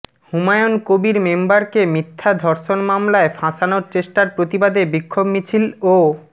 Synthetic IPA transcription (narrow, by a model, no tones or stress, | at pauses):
humajonkobiɾmembaɾkemit̪ʰːad̪ʱɔɾʃonmamlaefʰãʃanoɾt͡ɕeʃʈaɾpɾot̪ibad̪ebikʰːobmit͡ɕʰilo